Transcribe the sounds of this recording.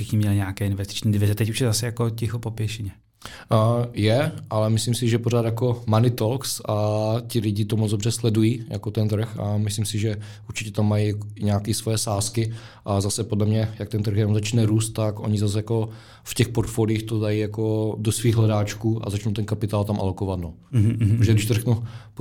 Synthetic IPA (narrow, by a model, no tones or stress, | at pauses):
ʃɪxɲɪmɲɛlɪɲɛakɛːɪnvɛst̪ɪ̥t͡ʃɲiːdɪvɪzɛt̪ɛcuʃjɛzasɛjakocɪxopopjɛʃɪɲɛ | jɛʔalɛmɪslimsɪʒɛpoɾaːt̪jako̞manɪt̪olksac̪ɪlɪɟɪt̪omot͡sdobr̝ɛslɛdujiːja̰ko̞t̪ɛnt̪̬r̩xa̰mɪslimsɪʒɛ | uɾt͡ʃɪcɛt̪amːajiɲɛaːkiːsvojɛsaːskɪ | ʔazasɛpodlɛmɲɛjak̚t̪ɛnt̪r̩xjɛnomzat͡ʃnɛɾuːst̪ːakʔo̞̰ɲɪzas̬jako̞ | fcɛxpoɾt̪folɪːxt̪odajijako̞dosviːɣɦlɛdaːt͡ʃkuːʔa̰zat͡ʃnowt̪ɛnkapɪt̪aːlt̪amʔa̰lo̞kovat̪no | oʒɛɡdɪʃt̪oɾɛknup